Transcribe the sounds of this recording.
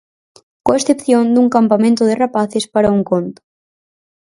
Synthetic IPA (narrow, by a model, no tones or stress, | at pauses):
koesθepθjond̪uŋkampamẽnt̪ʊðɪrapaθɪspaɾauŋkont̪ʊ̥